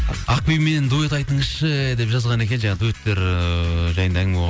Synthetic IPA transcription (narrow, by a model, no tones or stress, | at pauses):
ɑq̚pijme̞nend̪uet̪ɑjt̪əɴəzʃəd̪e̞pʒɑzʁɑnekʲe̞nʒɑɑd̪uet̪ːe̞ɾ | ʒɑjənd̪ɑæŋ